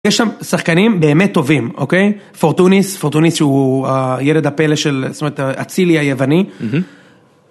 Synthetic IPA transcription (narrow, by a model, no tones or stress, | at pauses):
jeʃʃamsaχkanimbe̞ːmet̪ːo̞vimo̞̰kej | foʁt̪unisfoʁt̪unisʃeuajeled̪hapeleʃelst̪omeet̪aa̰t͡siliajevani